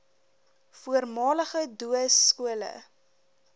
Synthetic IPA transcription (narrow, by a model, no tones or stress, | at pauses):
fuərmɑːləχəduəskuələ̰